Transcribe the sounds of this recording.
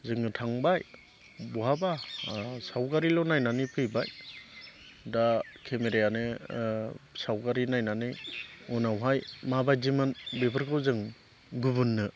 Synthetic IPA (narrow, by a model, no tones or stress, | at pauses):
zɯŋɯtʰaŋbaj | bɔɦabasawɡaɾilɔnajnanipʰɯjbaj | dakʰemeɾejanɯ | sawɡaɾinajnanɯunawɦajmabajzimɯnbepʰɯɾkʰɯwzɯŋ | ɡubunːɯ